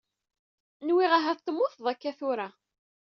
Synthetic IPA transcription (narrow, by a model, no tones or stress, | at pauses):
nwiʁaɦæθt̪ːəmːʊθðˤækːæθʊɾa